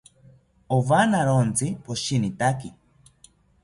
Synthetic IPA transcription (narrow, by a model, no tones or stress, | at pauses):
oβanaɾont͡sipoʃinit̪aki